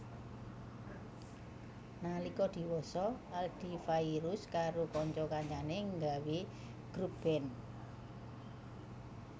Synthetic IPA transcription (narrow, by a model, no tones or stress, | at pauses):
nalikɔd̪̥i̤wɔsɔald̪̥i̤faiɾuskaɾokɔɲt͡ʃɔkaɲt͡ʃaneŋɡawi | ɡ̥ɾub̥ɛn